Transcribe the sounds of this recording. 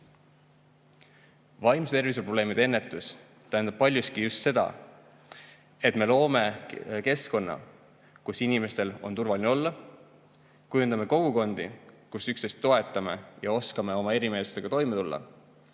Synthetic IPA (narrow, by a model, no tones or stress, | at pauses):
vɑjmst̪e̞rvis̬upro̞b̥le̞ːmid̪̥ee̞nːe̞t̪ːˑus | t̪æɦænd̪ɑb̚pɑlʲjuskijust̪se̞d̪̥ɑ̰ | e̞t̪ˑme̞lo̞ːme̞ke̞sko̞nːɑ̰ | kusinime̞st̪e̞lo̞̰nt̪urvɑlineo̞lːɑ | kujund̪ɑme̞ko̞ɡ̥uko̞nd̪̥ḭkusyksest̪ːo̞e̞t̪ːˑɑme̞jɑo̞skɑme̞o̞mɑe̞ɾime̞ːsu̥st̪e̞ɡ̥ɑt̪o̞jmet̪ulːɑ̰